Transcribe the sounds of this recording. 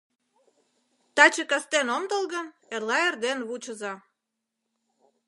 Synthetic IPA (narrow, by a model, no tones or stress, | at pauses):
t̪ɑt͡ɕekɑst̪enomd̪əlɣən | erlɑerd̪enβut͡ɕə̆zɑ